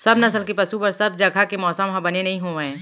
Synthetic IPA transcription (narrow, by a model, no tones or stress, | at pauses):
sɐbnɐs̬əlkepɐsupɐɾsɐb̚d͡ʒɐɡʱakemɔːsəmɦãbɐnenɐɦĩɦoːẽː